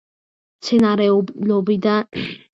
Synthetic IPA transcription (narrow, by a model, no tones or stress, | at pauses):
mt̪sʰɛnaɾɛɔlɔbid̪a